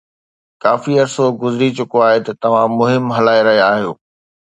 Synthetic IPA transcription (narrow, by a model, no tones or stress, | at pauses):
kaːfiɐɾsoɡʊzɾit͡ɕʊkoaːɦet̪ɐt̪ɐʋ̤ãmʊɦɪmɦɐlaːeɾɐɦijaːɦijoː